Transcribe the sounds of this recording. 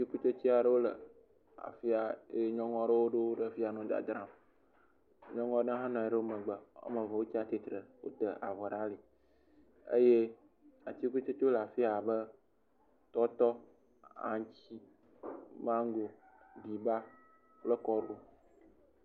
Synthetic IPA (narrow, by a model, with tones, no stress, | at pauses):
ti˦ku˦t͡ʃo˦t͡ɕi˦a˨ɖə˦wo˦lə̰˨ | a̰˨fi˦a˨˦ɲɔ̃˦ŋɔ̃˦ɖə˦wo˦ɖe˦wo˦ɖə˦fi˦a˨nũ˦d̪a̰˨d̪ɾã˦m | ɲɔ̃˦ŋɔ̃˦ɖə˦ɦã˦nɔ̃˨a˨ɖə˦wo˦mə̃˨ɡ͡bə˨o̰˦mə̃˨vɔ˨wo˦t͡ɕi˦a˦t̪e˦t̪ɾə˨wo̰˦t̪ə˨a̰˨vɔ˨ɖa˦li˨ | ə̰˦je˦ | a̰˨t̪i˦ku˦t͡ʃo˦t͡ʃo˦la˨fi˦a˨bə˦ | t̪ɔ˦t̪ɔ˦ | ã̰˨ɲ˨˦t͡ɕi˦ | mã˦ŋ˦ɡo˨ | ɖi˨ba˦ | plə˦kɔ˦ɖu˨